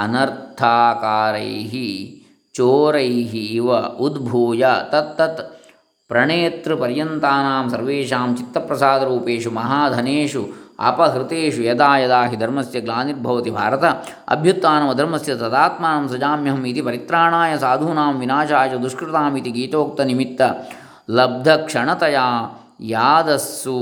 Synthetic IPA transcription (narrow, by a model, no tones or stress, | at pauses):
ɐnɐɾt̪ʰaːkaːɾɐ̰jɦi | t͡ʃoːɾɐjɦiːʋɐud̪bʱoːjɐt̪ɐt̪ːɐt̪ | pɾɐɳeːt̪ɾupɐɾjɐnt̪aːnaːmsɐɾʋeːʃaːmt͡ʃit̪ːɐpɾɐsaːd̪ɐɾuːpeːʂumɐɦaːd̪ʱɐneːʂuɐ̰pɐɦɾit̪eːʂujɐd̪aːjɐd̪aːɦid̪ʱɐɾmɐsjɐɡlaːniɾbʱɐʋɐt̪ibʱa̰ːɾɐt̪ɐ | ɐ̰bʱjut̪ːaːnɐmɐd̪ʱɐɾmɐsjɐt̪ɐd̪aːt̪maːnɐmsɐd͡ʒaːmjɐɦɐmit̪ipɐɾit̪ɾaːɳaːjɐsaːd̪ʱuːnaːmʋinaːt͡ʃaːjɐd̪ɾuʂkɾɪt̪aːmit̪iɡiːt̪oːk̚t̪ɐnimit̪ːɐ | lɐb̚d̪ʱɐkʂɐɳɐt̪ɐjaː | jaːd̪ɐsːu